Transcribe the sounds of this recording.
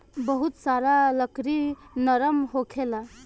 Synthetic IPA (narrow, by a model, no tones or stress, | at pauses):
bəɦut̪saɾaləkɾinəɾəmɦokʰela